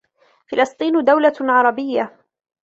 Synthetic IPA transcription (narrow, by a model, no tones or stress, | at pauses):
fɪlɨsˤt̪ˤiːnd̪awlaʕɑɾˤɑbɪjːa